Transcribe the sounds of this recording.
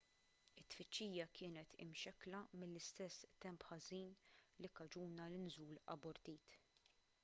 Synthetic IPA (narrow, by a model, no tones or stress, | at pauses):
ɪt̪ːfɪt͡ʃːiːjɐkʰɪːnɛt̪ʰɪ̰mʃɛkːlɐmɪlːɪst̪ɛsːt̪ɛmpħɐziːnlikɐd͡ʒuːnɐlɪnzuːlɐ̰bɔɾt̪iːt̪